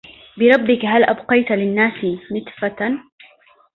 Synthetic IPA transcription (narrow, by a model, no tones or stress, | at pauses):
bɪɾˤɑbːɪkɦalʔabqɑjt̪lɪnːaːsnɪt̪ˤfa